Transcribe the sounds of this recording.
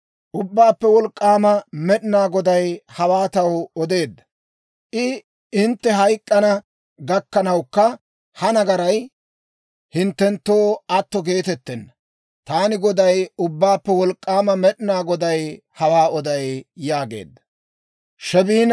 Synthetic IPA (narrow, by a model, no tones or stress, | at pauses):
ʔʊbːaːpːɛwɔlkʼːaːmɐmɛɗɪnaːɡɔd̪ɐjhɐwaːt̪ɐwɔd̪e̞ːd̪ːɐ̥ | ʔɪ | ɪnt̪ːɛɦɐjkʼːɐnɐ | ɡɐkːɐnɐwkːɐ | hɐnɐɡɐɾɐj | hɪnt̪ːɛnt̪ːo̞ːɐt̪ːɔɡe̞ːt̪ɛt̪ːɛnːɐ | t̪aːnɪɡɔd̪ɐjʊbːaːpːɛwɔlkʼːaːmɐmɛɗɪnaːɡɔd̪ɐj | hɐwaːɔd̪ɐjjaːɡe̞̰ːd̪ːɐ̥ | ʃɛbiːn